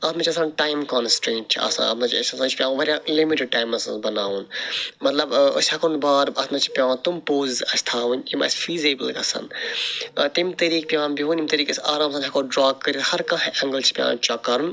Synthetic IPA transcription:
ɐt̪mɐt͡ʃʰɐsãːnʈaːjmkɔnsʈɾẽːɳʈ̚t͡ʃʰiɐ̰sã̰ɐ̰t̪nɐt͡ʃʰɐsʲɐsãːt͡ʃʰpʲjãːʋɐɾʲjãːʔlimiʈɪɖ̚ʈaːjmɐsɐ̰̃sbɐnaːunmɐt̪lɐbɐ̰sʲɐkonbaːɾɐsnɐt͡ʃʰi̥pʲjãːnt̪umpoːzzɐsʲt̪ʰaːʋɐ̃nʲimɐ̰sfiːzeːbəlɡɐsɐ̰nt̪ɐt̪imt̪ɐɾiːk̚pʲjãːnbiũnimʲt̪ɐɾiːkesʔaːɾaːmsãːnɐkoːɖɾaːkːɐɾʲihɐɾkɐ̃hʔɐ̃ŋɡəlt͡ʃʰi̥pʲjã̰ːt͡ʃɔkːɐɾun

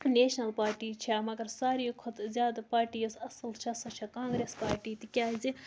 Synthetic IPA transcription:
neːʃnɐlpaːɾʈiːt͡ʃʰamɐɡɐɾsaːɾiːkʰot̪zʲjaːd̪paːɾʈiːosɐsɐlt͡ʃʰiɐsɐt͡ʃʰɐkãːŋɡɾeːspaːɾʈiːt̪ikʲjaːzi

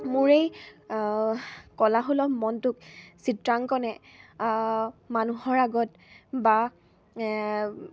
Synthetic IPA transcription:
mʊɹej | kɔlaɦolɔpmɔntʊksitɹaŋkɔnɛ | manuɦɔɹaɡɔt | ba

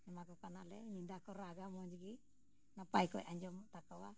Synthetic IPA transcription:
ɲɛmakɔkanalɛ̰ɲindakɔɾaɡamɔɲd͡ʒɡi | napajkɔ̰jaɲd͡ʒɔmt̪akawa

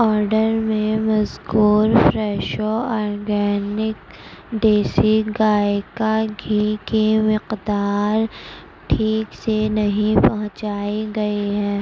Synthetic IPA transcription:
ɔːɾɖəɾmẽmɐzkuːɾfɾɛːʃoɔːɾɡɛːnɪk̚ | ɖeːsiɡaːekaɡʱiːkimɪqd̪aːɾ | ʈʰiːksenɐɦĩpɐɦʊ̃t͡ʃaːiɡɐiɦɛ̃ː

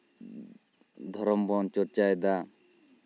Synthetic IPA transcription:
d̪ʱɔɾɔmbɔnt͡ʃɔɾt͡ʃaɛd̪a

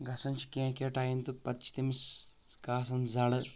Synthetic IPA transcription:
ɡʱɐsɐnt͡ʃʰi̥kẽːkeʈaːjint̪upɐt̪t͡ʃʰi̥t̪imiskaːsɐnzɐɽɨ

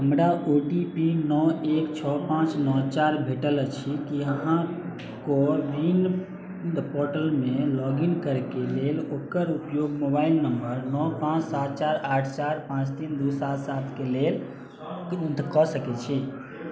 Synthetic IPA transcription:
ɦəmɾaoʈipinɔekt͡ʃʰɔpãt͡ʃnɔt͡ʃaɾbʱeʈəlt͡ʃʰikiəɦã | koɾin | ɖpoɾʈəlmelɔɡinkəɾkelelokəɾupjoɡmobailnəmbəɾnɔpãt͡ʃsat̪̚ʰt͡ʃaɾaʈʰt͡ʃaɾpãt͡ʃt̪ind̪usat̪sat̪ʰkelel | d̪kɔsəkɛt͡ʃʰi

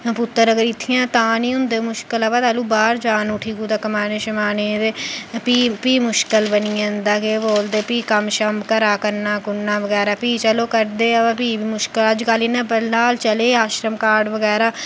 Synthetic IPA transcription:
pʊt̪ːəɾəɡəɾɪt̪ʰːɪjãːt̪ãːnĩːʊ̃nd̪eːmʊʃkələʋaːt̪aːluːbaːɾd͡ʒaːnʊʈʰiːɡuːt̪aːkəmaːneːʃəmaːneːt̪eːpiːpiːmʊʃkəlbəniːãnd̪aːkeːboːld̪eːpiːkəmʃəmbkəɾaːkəɾnaːkʊnːãːʋəɡɛːɾaːpiːt͡ʃəloːkəɾd̪eːəʋãːpiːbiːmʊʃkələd͡ʒkaːliːnãːbəlːaːlt͡ʃəleːaːʃɾəmkaːɾɖʋəɡɛːɾaː

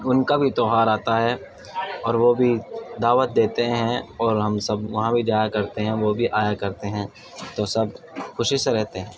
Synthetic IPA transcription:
ʊnkabʱit̪ɔːɦaːɾaːt̪aɦɛ | ɔːɾʋobʱid̪aːʋət̪̚d̪eːt̪eɦɛ̃ɔːɾɦɐmsɐbʋɐɦãbʱid͡ʒaːjakɐɾt̪eɦɛ̃ʋobʱiʔaːjakɐɾt̪eɦɛ̃ | t̪osɐb̚ | xʊʃɪseɾɛɦt̪eɦɛ̃ː

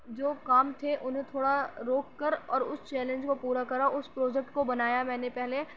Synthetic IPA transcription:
d͡ʒoːkaːmt̪ʰeʔʊnɦẽt̪ʰoːɽaɾoːkːɐɾɔːɾʊst͡ʃɛːlẽnd͡ʒkopuːɾakɐɾaʊspɾɔːd͡ʒɛk̚ʈkobɐnaːjamɛ̃ːnepɛɦle

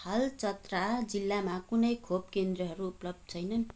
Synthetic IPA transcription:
hʌlt͡sʌt̪rad͡zilːamakunʌjkʰopkend̪rʌɦʌɾuːplʌb̚d̪̚t͡sʰʌjnʌn

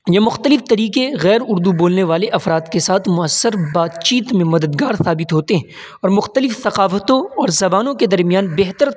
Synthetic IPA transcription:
jɐmʊxt̪əlɪft̪ɐɾiːqeɣɛːɾʊɾd̪uboːlneʋaːleʔɐfɾaːt̪kesaːt̪ʰmʊəsːəɾbaːd̪t͡ʃiːt̪mẽmɐd̪əd̪ɡaːɾsaːbɪt̪ɦoːt̪eɦɛ̃ | ɔːɾmʊxt̪əlɪfθɐqaːfət̪õɔːɾzɐbaːnõked̪ɐɾmijaːnbeɦt̪əɾ

